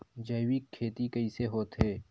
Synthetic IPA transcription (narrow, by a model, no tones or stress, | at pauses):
d͡ʒɐɪwikʰːeːt̪ikɐiseɦoːt̪ɦeː